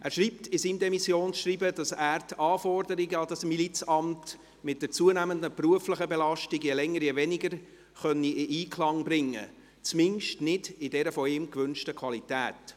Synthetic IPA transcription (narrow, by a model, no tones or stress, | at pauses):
ʔæːɾʃɾiːptɪsiːmdɛmisjoːnsʃriːbəd̥ɑsæːɾtʰɑːfɔrdəɾiɡəɑd̥ɑsmilit͡sɑmt | mɪt̚dət͡suənæməndəpruəfləχəbɛlɑʃtɪɡjɛlɛŋːəɾjɛvɛnɪɡəɾ | χœnːiʔɪʔiːkʰlɑŋbɾɪŋːə̰ | t͡smɪŋʃtnɪdɪdɛɾəfɔɪmkʋʏnʃtəkʰʋɑlitæːt